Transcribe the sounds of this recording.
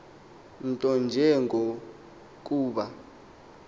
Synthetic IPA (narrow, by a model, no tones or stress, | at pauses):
n̩tʼɔnd͡ʒʱɛŋɡʱo | k̬ʼuːɓa